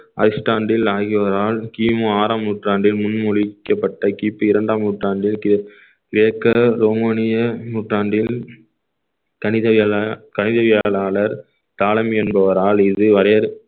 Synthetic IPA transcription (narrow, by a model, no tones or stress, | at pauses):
ʔɐ̰ɾɪsʈaːɳɖɪlaːɣɪʋɐɐɾaːlkiːmoːaːɾaːmnuːʈraːɳɖɪlmʊnmʊɻɪkːɐpːɐʈːɐkiːpːɯɪɾɐɳɖaːmnuːʈraːɳɖɪl | kɪɾeːkːɐɾoːmaːnɪjɐnuːʈraːɳɖɪl | kɐnɪɐkɐnɪðɐʋɪjaːɭaːɭɐɾ | t̪aːlɐmɛnbɐʋɐɾaːlɪðɯʋɐɾɐjɐɾ